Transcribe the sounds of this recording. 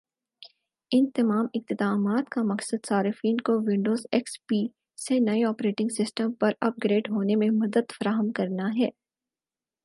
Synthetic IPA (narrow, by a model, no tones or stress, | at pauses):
ɪnt̪ɐmaːmɪq̚t̪ɪd̪aːmaːt̪kamɐksəd̪saːɾɪfiːnkoʋɪ̃ɳɖoːzɛkspiː | senɐeɔːpɾeːʈɪ̃ŋɡsɪsʈə̃mpɐɾɐp̚ɡɾeːɖɦoːnemẽmɐd̪əd̪fɐɾaːɦəmkɐɾnaɦɛː